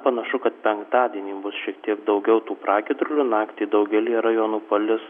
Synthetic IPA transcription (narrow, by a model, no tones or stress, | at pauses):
pɐnɐʃʊkɐt̪̚pʲɛŋkt̪ɑːd̪ʲiɛnʲiːbʊsʃʲiɛk̚t̪ʲiɛkd̪ɐʊɡʲɛʊt̪uːpɾɑːkʲɪd̪ɾʊlʲunɑːkt̪ʲeːd̪ɐʊɡʲɛlʲɪɾɐjoːnuːpɐlʲɪs